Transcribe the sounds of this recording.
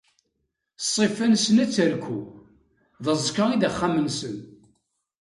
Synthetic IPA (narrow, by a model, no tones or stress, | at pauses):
sˤːifænsənæt͡sːəɾkʷu | ðəzˤkəʁid̪æχːamənsən